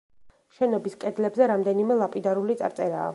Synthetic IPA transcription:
ʃɛnɔbiskʼɛd̪lɛbzɛɾamd̪ɛnimɛlˠapʼid̪aɾulit̪sʼa̰ɾt̪sʼɛɾa̰ː

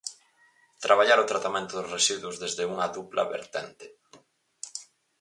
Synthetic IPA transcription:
t̪ɾaβ̞aʎaɾʊt̪ɾat̪amẽnt̪ʊðʊzresiðwʊzðezðeuŋɐðuplʔɐ̰βḛɾt̪ɛnt̪ɪ̥

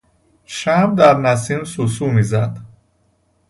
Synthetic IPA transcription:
ʃæmbd̪æɾnæs̬iːmsusuːmiːzæd̪

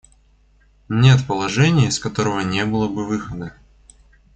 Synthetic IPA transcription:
nʲe̞t̪pəlˠɐʐɛnʲɪjskɐt̪o̞ɾəvənʲebɨlˠəbɨvɨxəd̪ə

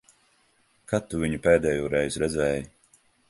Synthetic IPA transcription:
kat̪ːuvʲiɲupɛːd̪ɛːjuːɾɛjzɾɛd̪zʲɛːj

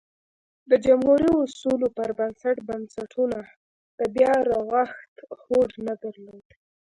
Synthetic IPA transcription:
d̪əd͡ʒamhuɾiosulopəɾbansaʈbansaʈʰuna | d̪̥əbjɑɾaɣaxt̪xoɽnad̪aɾlod̪̥

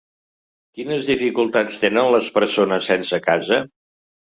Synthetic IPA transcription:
kinəzðifikulˠt̪at͡st̪enənləspəɾsonəsːɛnsəkazə

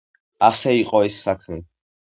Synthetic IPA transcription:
asɛiqʼɔisːakʰmɛ

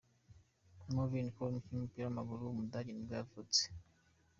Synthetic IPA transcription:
movinikonikimupiɾamaɡuɾuwumudaɟinibɡavut͡se̥

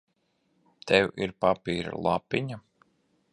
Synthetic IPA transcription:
t̪ʰɛwiɾpapiːɾa̰lˠapːiɲa

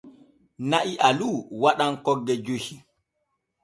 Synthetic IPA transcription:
naʔiʔaluwaɗaŋkɔɡːɛd͡ʒohi

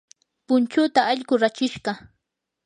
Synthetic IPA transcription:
pʊnt͡ʃʊt̪aɑʎɢʊɾat͡ʃɪʃɢɑ

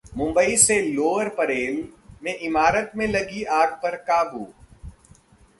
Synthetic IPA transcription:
mʊ̃mbəiseloːəɾpɐɾeːlmẽʔɪmaːɾət̪mẽlɐɡiaːɡ̚pɐɾkaːbuː

